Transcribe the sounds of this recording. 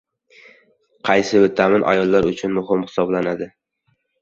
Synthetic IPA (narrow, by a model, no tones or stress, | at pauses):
qʰɑjsɪbɪt̪ʰamɪnʔa̰jɒlˠːaɾʊt͡ʃʰʊnmʊɦɪmhɪ̥sɒblanad̪ɪ